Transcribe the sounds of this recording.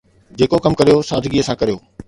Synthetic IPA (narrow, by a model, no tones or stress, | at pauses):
d͡ʑeːkokɐmkɐɾijosaːd̪ɪɡiːəsãːkɐɾijoː